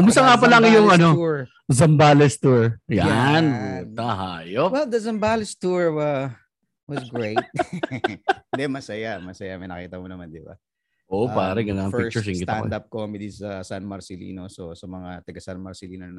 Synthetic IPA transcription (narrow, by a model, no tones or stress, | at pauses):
kʊmʊs̬t̪ɐŋapɐlɐŋjʊŋʔɐno̞ | zɐmbaːlɛst̪uɹjanut̪ɐɦaːjowɛld̪ɐzɐmbalɛst̪uɹwɐ | wɐsɡɹejt̪̚ | d̪ɛmɐsɐjamɐsɐjamɐjnɐkiːt̪ɐmonɐmand̪ɪba̰ | ʔoʔopaːɾɐɡɐnɐŋfɪt͡ʃʊsɪŋɡɪt̪a̰d̪ap̚koɐmɛd̪isɐsanmɐɾsɪlḭːnososɐmɐŋat̪ɐɡɐsanmɐɾsɪliːnonɐn